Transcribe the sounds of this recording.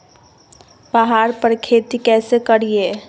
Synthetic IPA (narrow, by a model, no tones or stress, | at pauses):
baɦaːɾpəɾkʰeːt̪ikɛːsekəɽie